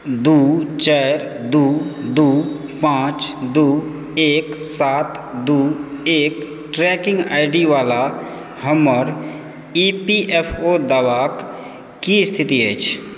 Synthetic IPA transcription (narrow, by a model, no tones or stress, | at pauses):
d̪uːt͡ʃɛːɾ | d̪uːd̪uːpãːt͡ʃd̪uː | eːksaːt̪ | d̪uːeːk | ʈɾɛkɪ̃ŋɡaːɪɖiʋaːla | həməɾ | ipiʔepʰod̪aːʋak | kist̪ʰɪt̪iɦɛːt͡ʃʰ